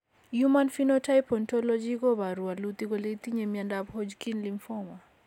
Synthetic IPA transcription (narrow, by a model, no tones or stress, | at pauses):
jumanfinɔtajpɔntɔlɔd͡ʒiɣɔβaɾualut̪iɣɔlet̪iɲɛmiandabhɔd͡ʒkinliɱfɔma